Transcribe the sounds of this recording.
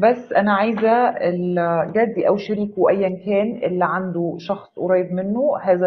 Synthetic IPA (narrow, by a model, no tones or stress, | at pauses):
bæsːʔænæʕajzæelɡæd̪ːiʔæwʃeɾiːkwʔæjːænkæːnʔelːiʕand̪oʃɑxsˤoɾˤɑːjebmenːohæːzæ